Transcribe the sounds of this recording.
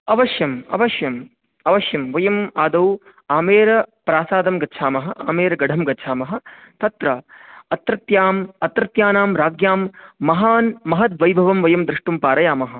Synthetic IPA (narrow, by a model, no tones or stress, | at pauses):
ɐʋɐʃjɐmɐ̰ʋɐʃjɐm | ɐʋɐʃjɐmʋɐjɐmaːd̪ɐw | aːmeːɾɐpɾaːsaːd̪ɐmɡɐtːʃʰaːmɐɦɐ̆ʔaːmeːɾɐɡɐɖʱɐmɡɐtːt͡ʃʰaːmɐɦɐ̆t̪ɐt̪ɾɐɐt̪ɾɐt̪jaːmɐt̪ɾɐt̪jaːnaːmɾaːɡjaːmːɐɦaːnmɐɦɐt̪ʋɐjbʱɐʋɐmʋɐjɐmd̪ɾɪʂʈumpaːɾɐjaːmɐɦɐ̆